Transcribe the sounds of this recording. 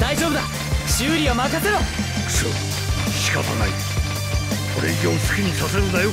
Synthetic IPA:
d̪aiʑo̞ːbɯ̟d̪a | ɕɨːɾʲiomaket̪ːeɾo | so̰ | ɕi̥ka̰t̪ana̰i | koɾḛɡʲoːsɨ̥kʲiɲ̟isaseɾɯd̪ajo

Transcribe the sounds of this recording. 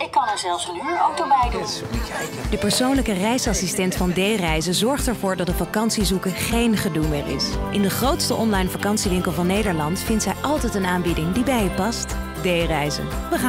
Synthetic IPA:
ɪkːɑnɛɹzɛlˠfsnyːəɹowk̚dobɛjdun | d̥əpəɹsownləkərɛjsɑsistɛntfɑndejrɛjzəzɔɹχtɛɹvʊːɹdɑt̚dəvɑkɑnsizukəχejnχədulˠmɪːɹɪ̰sʔɪndəχrowtstəʔɔnlɑjnfakɑnsiʋɪŋkəlˠvɑnːejdəɹlɑntfɪntsɛjʔɑlˠtɛjtənaːnbɪdɪŋdibɛjəpɑst | dejrɛjzə̰nbəχa

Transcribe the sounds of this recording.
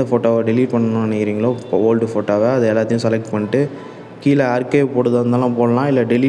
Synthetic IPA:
ɐfoːʈːoːʋɐɖɪliːʈpɐɳːɐnʊ̃nɐnɐkɪɾiːŋɡɐɭoːoːlɖɯfoːʈːoːʋɐɐðɐɛlːaːt̪ːɪjʊ̃sɛlɛk̚ʈpɐɳːɪʈːɯ | kiːlɐaːɾkeːpoːɽɯðɐɾɐnd̪aːlãpoːlɐlãːɪlːɐɖɪliː

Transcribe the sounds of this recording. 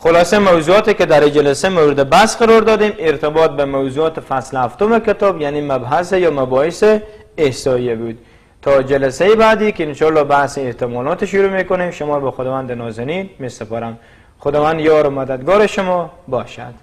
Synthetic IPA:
xolɒːsemæwzuɔːt̪eked̪æɾid͡ʒælæsemowɾɪd̪ebasqaɾɔɾd̪ɒd̪emeɾt̪ebɒːt̪̚bemawzuɔːt̪efaslhaft̪omeket̪ɒbjaniːmæbɦasejɒːmæbɔːheseː | hsɒːijebud̪ | t̪ʰːɒd͡ʒalasejebaːd̪iːkeinʃɒlːɒːbahsiːht̪ɪmɔlɒːt̪eʃʊɾuːmekonemʃomɔːɾbɔxod̪ɒːvand̪enɔzeninmesepɔɾam | xod̪ɒːvand̪jɒɾomad̪ad̪̚ɡɔːɾeʃʊmɔbɒːʃa̰d̪̥

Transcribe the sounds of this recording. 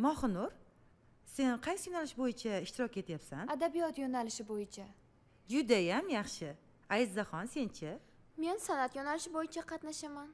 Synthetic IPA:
mɒχʊnʊɾ | se̞nqʰɑjsɪjonalɪʃbojɪt͡ʃʰaɪʃt̪ɪɾɒkʲe̞t̪ʰjapsanad̪abijɒt̪jonalɪʃɪbojɪt͡ʃʰa | d͡ʒʊd̪ajamjɑχʃɪ | ajɪzd̪aχɒnse̞nt͡ʃʰɪ | me̞nsanat̪jonalɪʃɪbojɪt͡ʃʰaqʰɑt̪naʃaman

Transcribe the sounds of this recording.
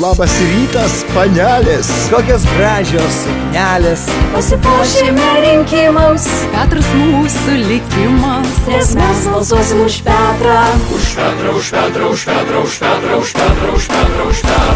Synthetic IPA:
lˠɑːbɐsɪɾʲiːt̪ɐspɐnʲæːlʲeskoːkʲɛs̬ɡɾɑːʒʲoːsʊknʲæːlʲespɐsʲɪpoːʃʲemʲɛɾʲɪŋʲkʲɪmɐʊs | pʲæːt̪ʊɾɐsmuːsʊlʲɪkʲɪmɐsʲɛsmʲæsbɐlˠzuɔsʲɪmʊʃpʲæːt̪ɾɑʊʃpʲæːt̪ɾɐʊʃpʲæːt̪ɾɐʊʃpʲæːt̪ɾɐʊʃpʲæt̪ɾɐʊʃpʲæːt̪ɾɐʊʃpʲæɾɐʃpʲæ

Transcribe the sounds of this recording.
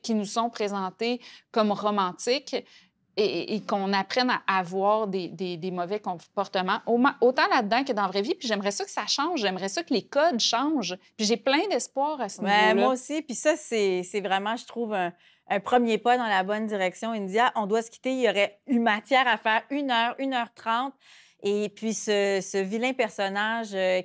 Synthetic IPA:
kʲinusɔ̃pχezɑ̃t̪ekɔmʁɔmɑ̃t̪ɪk | eːkɔ̃napχɛnaʔːvwɑːʁd̪ed̪ed̪emɔvɛkɔ̃pɔʁt̪əmɑ̃ʔomãʔot̪ɑ̃lad̪ːɑ̃kəd̪ɑ̃vʁɛvipiʒɛmʁɛsʌkə̥saʃɑ̃ːʒːɛmʁɛsʌkəlekɔd̪ʃɑ̃ʒpiʒeplɛ̃d̪ɛspwɑːʁasəmɛlmwaosipisʌsɛsɛvʁɛmɑ̃ʒət̪χuːvɛ̃ː | pχəmjepad̪ɑ̃labɔnd̪iʁɛksjɔ̃ind̪jaʔɔ̃d̪wasə̥kʲi̥t̪eijɔʁɛymat̪jɛːʁafɛːʁynœːʁynœːʁt̪χɑ̃t̪̚ | epɥisəsəvilɛ̃pɛʁsɔnaʒ

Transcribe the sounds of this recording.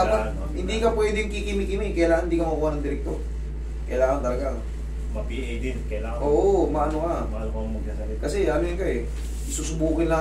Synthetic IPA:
aa | hɪnd̪ikɐpwɛːd̪ɪŋkikɪmikɪmɪkɐjlaːɐnhɪnd̪ikɐmɐbuːanɐŋd̪ɪɾɛk̚t̪o̞ | kɐjlaːŋɐnt̪ɐlɐɡa | mɐpiʔɐjd̪ɪnkɐjlaːɐʔoːʔomɐʔɐnokamɐnkɐmɐɡ̚nasɐɪkɐsɛamɪɐŋkaʔɛ | ɪsuːsʊbuːkɪnla

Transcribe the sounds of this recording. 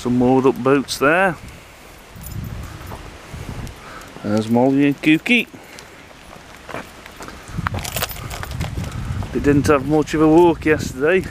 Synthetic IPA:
sə̃mːɔːdʊp̚b̥oʊtsðə˞ | əzmɔlˠiə̃nkʰʉˑki | ɪʔdɪdⁿn̩təvmʊt͡ʃəvəwɜˑkjɛstədeɪ

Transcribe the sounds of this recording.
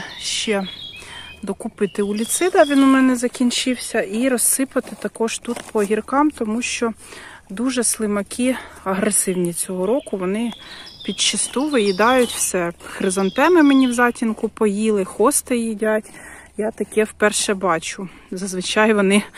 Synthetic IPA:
ʃt͡ʃɛ | d̪ɔkʊpɪt̪ɪʊlʲit̪sɪd̪ɐʋʲinʊmɛnɛzɐkʲinʲt͡ʃɪwsʲɐʔiɾɔsːɪpɐt̪ɪt̪ɐkɔʒt̪ut̪pʰɔɦʲirkɑmt̪ɔmuʃt͡ʃɔ | d̪uʒɛslˠɪmɐkʲʰiɐɦɾesɪwnʲit͡sʲɔɦɔɾɔkʊʋɔnɪpʲid̪t͡ʃɪst̪uʋɪjid̪ɑjʊtʲwsɛxɾɪzɐnt̪ɛmɪmenʲiwzɑtʲinkʊpɔjilˠɪxɔst̪ɪjidʲatʲjat̪ɐkɛwpɛrʃɛbɑt͡ʃʊ | zɐzʋɪt͡ʃɑjʋɔnɪ

